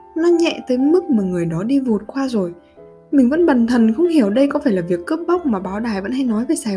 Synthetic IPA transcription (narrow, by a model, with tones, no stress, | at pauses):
nɔ˨˦ɲɛ̰˧˨t̪əː˨˦jmɨ˦˥k̚maː˨˩ŋɨ˨˩əjɗɔ˨˦ɗi˧vu˨˩t̚kwaː˧zo˨˩j | mï˨˩ŋ̟və̰˧˥nɓa˨˩nt̪ʰə˨˩nxə˧wŋ͡mhi˧˩əwɗə˧jkɔ˨˦faː˧˩jlaː˨˩vi˨˩əkːɨ˦˥p̚ɓa˦˥k͡p̚maː˨˩ɓaː˨˦wɗaː˨˩jvə̰˧˥nha˧jnɔ˨˦jve˨˩jsaː˨˩